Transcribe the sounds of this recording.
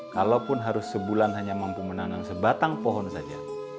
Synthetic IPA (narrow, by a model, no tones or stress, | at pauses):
kalapʊnɦaɾʊsːəbulanɦaɲamampumənaŋansəbat̪aŋpɔɦɔnsad͡ʒa